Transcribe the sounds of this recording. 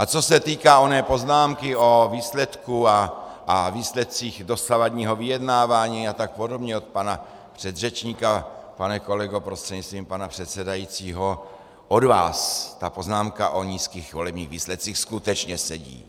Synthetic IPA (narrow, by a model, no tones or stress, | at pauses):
ʔat͡so̞sɛt̪iːkaːonɛːpo̞znaːmkɪo̞viːslɛt̪kua | aviːslɛt̪̚t͡siːxdo̞savadɲiːɦo̞vijɛdnaːvaːɲiːat̪ak̚po̞do̞bɲɛot̪̚pana | pr̝̥ɛd̪rɛt͡ʃɲikapanɛko̞lɛɡopɾost̪r̥ɛɲist̪viːmpanapr̝̥ɛt̪sɛdajit͡siːɦo̞ | ʔodva̰ːst̪apo̞znaːmkaʔo̞ɲiːskiːxvo̞lɛbɲiːɣviːslɛt̪̚t͡siːxskut̪ɛt͡ʃɲɛsɛɟḭː